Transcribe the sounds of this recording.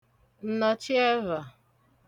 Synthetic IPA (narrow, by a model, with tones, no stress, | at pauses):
n̩˦nɔ˨t͡ʃi˦ɛ˦va˨